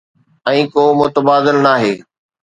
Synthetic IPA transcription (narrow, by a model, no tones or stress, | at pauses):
ɛ̃ːkoːmʊt̪əbaːd̪ɪlnaːɦeː